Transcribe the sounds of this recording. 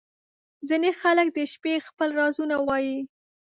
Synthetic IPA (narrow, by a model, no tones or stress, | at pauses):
zinexalək̚d̪əʃpexpəlɾɑzunawɑji